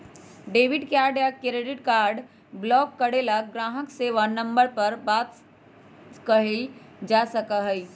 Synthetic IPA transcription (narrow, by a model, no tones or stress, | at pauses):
ɖeːʋɪɖkaːɾɖjakɾeɖɪʈkaːɾɖ | blɔːkːəɽelaɡɾãːɦəkseʋanɐ̃mbəɾpəɾbaːt̪ | kɐɦeld͡ʒaːsəkaɦəi